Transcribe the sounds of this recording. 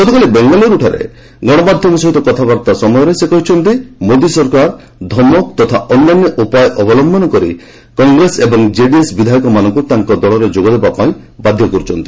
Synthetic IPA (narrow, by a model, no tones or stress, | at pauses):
ɡɔt̪ɔkalibeŋɡɔlɔɾuʈʰaɾḛ | ɡɔɽ̃ɔbad̪ʱjɔmɔsɔɦit̪ɔkɔt̪ʰabaɾt̪asɔmɔjɔɾesekɔɦit͡ʃʰɔnt̪imod̪isɔɾkaɾ | d̪ʱɔmɔk̚t̪ɔt̪ʰaɔnːanːjɔʔupajɔʔɔbɔlɔmbʱɔnɔkɔɾḭ | kɔŋɡɾesebɔŋd͡ʒeɖiesbid̪ʱajɔkɔmanɔ̃ŋkut̪aŋkɔd̪ɔɭɔɾed͡ʒoɡɔd̪ebapaĩbad̪ʱjɔkɔɾut͡ʃʰɔnt̪i̥